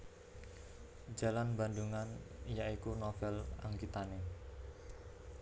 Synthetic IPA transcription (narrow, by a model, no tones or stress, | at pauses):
d͡ʒa̤lanba̤nd̪uŋanjaikunofɛla̰ŋɡit̪ane